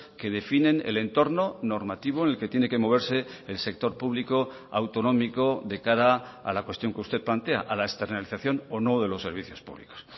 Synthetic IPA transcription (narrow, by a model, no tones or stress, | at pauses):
ke̞ð̞e̞finẽ̞nḛle̞nt̪o̞ɾno̞no̞ɾmat̪iβ̞oenelke̞t̪je̞ne̞ke̞mo̞β̞e̞ɾse̞ːlse̞k̚t̪o̞ɾpuβliko̞ | a̰wt̪o̞nõ̞miko̞ðe̞kaɾaa̰lakwe̞st̪jo̞ŋkeust̪e̞t̪̚plant̪e̞a̰ʔalaekst̪e̞ɾnaliθaθjo̞nono̞ðe̞losːe̞ɾβ̞iθjo̞spṵβlḭko̥s